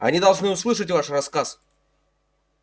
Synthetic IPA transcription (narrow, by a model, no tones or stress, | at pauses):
ɐ̰nʲid̪ɐlˠʐnɨʊslˠɨʂ̬ət̬ʲvaʂrɐskas